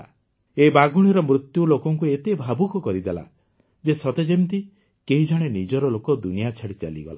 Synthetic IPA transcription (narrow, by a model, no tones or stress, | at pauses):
ebaɡuɽ̃iɾɔmɾut̪julokɔŋkuet̪ebʱabukɔkɔɾid̪ela̰ | d͡ʒesɔt̪ed͡ʒemt̪i | keɦid͡ʒaɽ̃enid͡ʒɔɾɔlokɔd̪unijat͡ʃʰaɽit͡ʃa̰liɡɔ̰la̰